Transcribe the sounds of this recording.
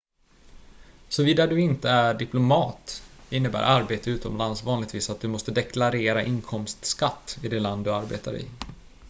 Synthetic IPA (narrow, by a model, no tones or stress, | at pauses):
sɔviːd̪ad̪ɵɪnt̪əæɖɪplʊmɑːt̪ɪnːəbæ̰ːɾʔaɾbeːt̪əʉ̟ːt̪ɔmlansvɑːnlɪɡ̚t̪viːsat̪̚d̪ɵmɔst̪əd̪ɛkʰlaɾeːɾaʔɪnkʰɔmst̪skat̪ːɪd̪ɛland̪ɵaɾbḛːt̪a̰ɾɪ̰